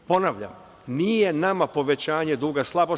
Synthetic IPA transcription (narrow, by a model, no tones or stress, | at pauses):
po̞naʋʎa̰m | niːjenamapo̞ʋe̞t͡ɕaːɲe̞d̪uːɡaslˠabo